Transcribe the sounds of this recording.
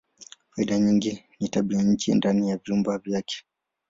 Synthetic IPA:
faiɗaɲiŋɡinitaɓiaɲ̩t͡ʃḭndanijavjumbavjakɛ̥

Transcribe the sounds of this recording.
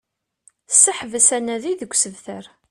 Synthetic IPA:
sːəħvəsænæðiðəɡʷːsəvθəɾ

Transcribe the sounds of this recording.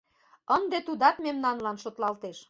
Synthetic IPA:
ənd̪et̪ud̪ɑt̪memnɑnlɑnʃot̪lɑlt̪eʃ

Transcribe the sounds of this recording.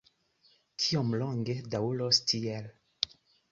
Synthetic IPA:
tʰiomloŋɡedawulostʰiel

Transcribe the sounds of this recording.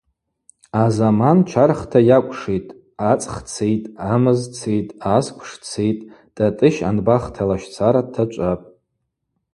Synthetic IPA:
azamant͡ʃʷʰarχtʰajakʷʼʰʂejtʼ | at͡sʼχt͡sʰejtʼamɨzt͡sʰejtʼaskʷʰʂt͡sʰejtʼ | d̥atʼɨʃa̰nbaχtʰalaʃt͡sʰaɾatʰat͡ʃʷʼapʼ

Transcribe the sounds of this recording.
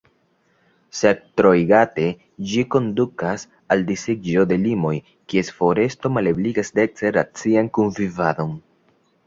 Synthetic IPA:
sektɾo̞jɡate̞ | d͡ʒiko̞ndukas | aldiseɡd͡ʒo̞de̞limo̞j | kie̞sfo̞ɾe̞sto̞malebliɡasdek̚t͡seɾat͡siankunvivado̞n

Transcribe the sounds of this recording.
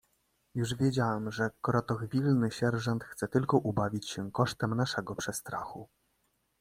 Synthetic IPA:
juʐvʲjed͡ʑawɛmʐɛkɾɔt̪ɔɣvʲilnɘɕɛɾʐɔnt̪xt̪sɛt̪ɘlkɔʔubavʲit͡ɕɕɛkɔʂt̪ɛmnaʂɛɡɔpʂɛst̪ɾa̰xu

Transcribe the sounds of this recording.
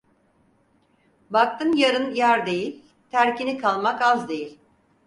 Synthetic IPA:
bak̚t̪ʰɯmjaɾɯnjaɾd̪e̞jilʲ | t̪ʰæɾcinikʰalˠmakazd̪e̞jilʲ

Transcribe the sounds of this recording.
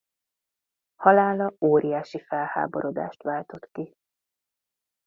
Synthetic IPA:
hɒlaːlɒoːɾijaːʃifɛlha̰ːbo̞ɾo̞d̪a̰ːʃt̪ʋaːlt̪o̞t̪ki

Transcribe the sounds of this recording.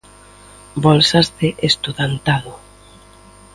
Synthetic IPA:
bɔlsazðeʔest̪uðant̪aðʊ

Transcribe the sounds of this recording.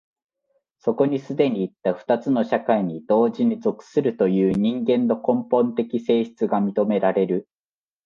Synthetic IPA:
so̞ko̞ɲ̟isɨd̪e̞ɲ̟iːt̪ːaɸɯ̥t̪at͡sɨno̞ɕakaiɲ̟id̪̥o̞ːʑiɲ̟izo̞kɯ̥sɨɾɯ̟t̪o̞jɯ̟ːɲ̟ĩŋɡẽ̞nːo̞kõ̞mpõ̞nt̪e̞kʲise̞ːɕi̥t͡sɨɡamʲit̪o̞me̞ɾaɾe̞ɾɯ̟

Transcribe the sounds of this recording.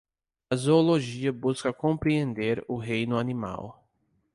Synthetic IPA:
ɐzooloʒiɐbuskɐkõmpɾiẽnd̪eɾʊɦejnʊanĩma̰w

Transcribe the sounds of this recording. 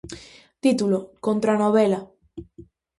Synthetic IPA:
t̪it̪uloko̞nt̪ɾanoβ̞ela

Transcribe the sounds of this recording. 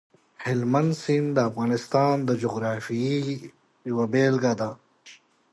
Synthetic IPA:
hɪlmɐnsind̪əːfɣaːnɪst̪aːnd̪əd͡ʒoɣɾaːfii | jwabeːlɡaːd̪a

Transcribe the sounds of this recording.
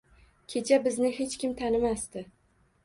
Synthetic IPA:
kʲʰe̞t͡ʃʰabɪznɪhe̞t͡ʃkʲɪmt̪ʰanɪmast̪ɪ

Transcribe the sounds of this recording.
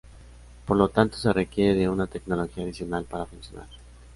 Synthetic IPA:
po̞ɾlo̞t̪ant̪o̞se̞re̞kje̞ɾeðe̞unat̪e̞kno̞lo̞xiaːðisjo̞nalpaɾafunsjo̞na̰ɾ

